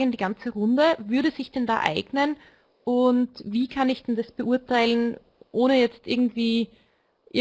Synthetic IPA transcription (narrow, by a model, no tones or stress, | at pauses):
əndiːɡant͡səʁʊndəvʏɐɾəzɪçd̥ɛnda̰ːʔa̰ɪɡnən | ʔʊntviːkʰanɪçd̥ɛndasb̥əʔuɐtʰaɪlən | ʔoːnəjɛt͡stʔɪɐɡŋ̩tv̥iː | ʔɪ